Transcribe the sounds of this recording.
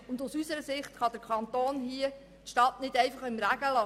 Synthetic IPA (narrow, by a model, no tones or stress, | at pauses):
ʊnd̪ʊsysəɾəsɪχt̪χɑd̥̪əɾkʰɑnt̪oːnhiə | tʃtɑtnɪdɛɪfɑχɪmɾæɡ̥əlɑ